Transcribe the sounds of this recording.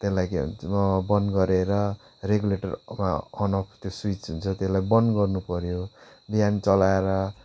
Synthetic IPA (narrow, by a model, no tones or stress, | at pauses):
t̪elajkeɦṵnbʌnɡʌɾeɾʌ | reɡuleʈʌrma̰ʌnʌpʰt̪joswit͡sɦunt͡sʰʌt̪elajbʌnɡʌrnupʌɾjo | bijant͡sʌlaeɾʌ